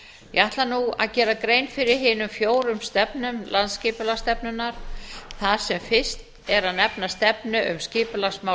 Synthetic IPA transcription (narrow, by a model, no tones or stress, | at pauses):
jɛaht̪lanua̰ðcɛːɾakɾejnfɪɾɪɾ̥ɦɪːnʏmfjoːwɾʏmst̪ɛpnʏmlant̪scɪːpʏlast̪ɛpnʏnaɾ̥θað̥sɛmfɪst̪ | ɛɾaðnɛpnast̪ɛpnʏʔʏmscɪːpʏlasma